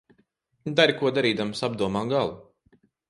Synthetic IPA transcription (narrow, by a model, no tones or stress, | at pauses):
d̪aɾʲkuɔd̪aɾiːd̪amsab̚d̪uɔmaːɡalˠu